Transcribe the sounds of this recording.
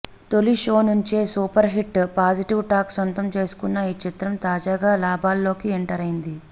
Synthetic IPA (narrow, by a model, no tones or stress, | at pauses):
t̪o̞liʃo̞ːnuɲt͡ʃeːsuːpɐɾɦiʈpaːd͡ʒiʈiʋʈaːksɐnt̪ɐmt͡ʃe̞ːsu̥kunːajit͡ʃit̪ɾɐmt̪aːd͡ʒaːɡaːlaːbʱaːlːo̞ːkieɳʈɐɾɐjind̪i